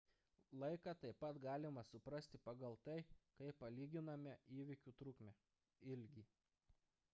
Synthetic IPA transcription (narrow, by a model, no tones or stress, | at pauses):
lˠɐɪkɑt̪ɐɪpɐt̪ɡɑːlʲɪmɐsʊpɾɐsʲt̪ʲɪpɐɡɐlˠt̪ɐɪkɐɪpːɐlʲiːɡʲɪnɐmʲɛiːʋʲɪkʲuːt̪ɾʊkmʲɛ | ɪlʲɡʲiː